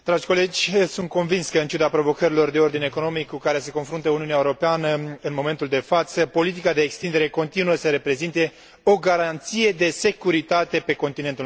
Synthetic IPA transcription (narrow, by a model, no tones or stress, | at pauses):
d̪̥ɾad͡ʒʲko̞le̞d͡ʒʲsunt̪̚ko̞nvinskəɨnt͡ʃud̪apɾo̞vo̞kəɾilo̞rd̪e̞o̞rd̪ine̞ko̞no̞mikːukaɾese̞ko̞nfɾunt̪əuniuneaeuɾo̞peanəɨnmo̞me̞nt̪uld̪e̞fat̪səpo̞lit̪̬ikad̪eːkst̪ind̪e̞ɾe̞ko̞nt̪inuəsəɾe̞pɾe̞zint̪e̞ | o̞ɡaɾant̪sije̞d̪e̞se̞kuɾit̪at̪e̞pe̞ko̞nt̪inet̪u